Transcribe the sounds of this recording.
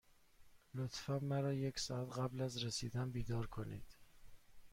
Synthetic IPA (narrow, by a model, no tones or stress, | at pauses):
lot̪fæmːæɾɒːje̞csɒːæt̪ɣæblæzɾesiːd̪ænbiːd̪ɒːɾkʰonḭːd̪̥